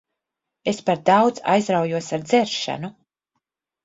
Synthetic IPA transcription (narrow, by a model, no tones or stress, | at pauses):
espaɾd̪awd̪za̰jzɾawjuɔsaɾd̪zɛɾʃa̰nu